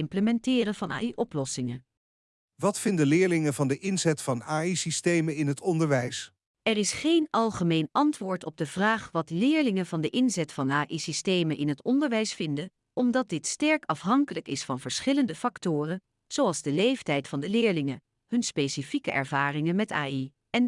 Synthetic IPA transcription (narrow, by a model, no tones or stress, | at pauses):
ɪmpləmɛntɪːrənvɑna̰ːiʔɔplɔsɪŋə | ʋɑtfɪndəlɪːɹlɪŋənvɑndəʔɪnzɛtfɑnaːisistejmənɪnɦətɔndəɹʋɛjs | ɛrɪsχejnɑlˠχəmejnɑntʋʊːɹtɔb̚dəv̥raːχʋɑtlɪːɹlɪŋənvɑndəʔɪnzɛtfɑnaːʔisistejmənʔɪnɦətɔndəɹʋɛjsfɪndən | ɔmdɑt̚dɪtstɛɹkɑfɦɑŋkələkɪsfɑnvəɹsχɪləndəfɑktʊːrən | z̥owɑlˠzdəlejftɛjtfɑndəlɪːɹlɪŋə | hɵnspejsifikəʔɛ̰ɹvaːrɪŋənmɛta̰ːi | ɛn